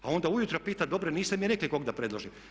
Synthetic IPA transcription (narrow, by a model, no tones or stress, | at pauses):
ao̞nd̪aujut̪ɾopiːt̪ad̪o̞bɾeniːst̪emijeɾekliko̞ɡd̪apɾed̪lˠoʒim